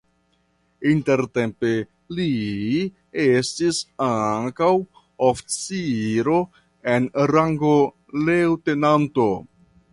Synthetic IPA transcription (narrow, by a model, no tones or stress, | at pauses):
inte̞ɾte̞mpe̞ | li | estisaŋkaw | oft͡siɾo̞ | e̞nɾaŋɡo | lewte̞nanto̞